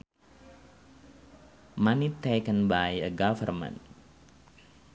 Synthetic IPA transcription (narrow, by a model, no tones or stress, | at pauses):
manitekə̃nbajəɡavə̰rmə̰̃n